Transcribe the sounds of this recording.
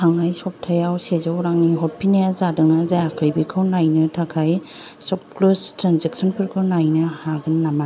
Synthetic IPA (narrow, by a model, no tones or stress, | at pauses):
tʰaŋajsɔp̚tʰajawsezawɾaŋniɦɔt̚pʰinajazadɯŋnazajakʰɯjbikʰɯwnajnɯtʰakʰaj | sɔp̚klustɾanzeksɔnpʰɯɾkʰɯnajnɯhaɡɯnːama